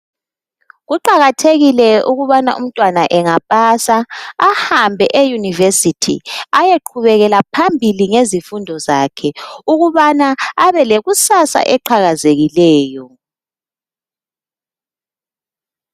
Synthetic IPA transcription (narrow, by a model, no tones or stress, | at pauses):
ɣuǃaɣatʰeɣilɛuɣuβanaʔṵm̩tʼwanaʔɛŋapʼasaahambʱɛʔejunivesitʰḭajeǃʰuβɛɣɛlapʰambʱiliŋezifundʱɔzaːkʰɛuɣuβanaaβɛleɣusasa̰ʔɛǃʰaɣazeɣilɛːjɔ